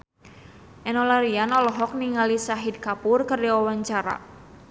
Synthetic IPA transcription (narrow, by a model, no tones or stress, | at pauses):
ʔɛnɔlaɾianɔlɔɦɔk̚niŋalisaɦid̚kapʊrkərdawawaɲt͡ʃaɾa̰